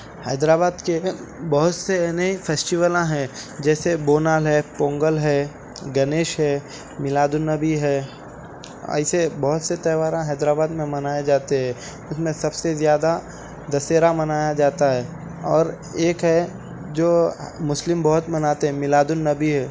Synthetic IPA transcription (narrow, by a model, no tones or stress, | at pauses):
hɐːd̪ɾaːbaːd̪ke | bɦʊt̪seneifʰeːsʈɪʋəlãɦɛ̃d͡ʒɛːseboːnaːlɦɛpõːŋɡəlɦɛ | ɡɐneːʃɦɛ | mɪlaːd̪ʊnːɐbiɦɛː | ɛ̰ɪsebɐɦʊt̪set̪ɛːʋaːɾãɦɛːd̪ɾaːbaːd̪mẽmɐnaːjed͡ʒaːt̪eɦɛ̃ː | ʊsmẽsɐbsezjaːd̪a | d̪ɐseːɾamɐnaːjad͡ʒaːt̪aɦɛː | ɔːɾ | eːkɦɛ | d͡ʒoːmʊslɪmbɐɦʊt̪mɐnaːt̪eɦɛ̃mɪlaːd̪ʊnːɐbiɦɛː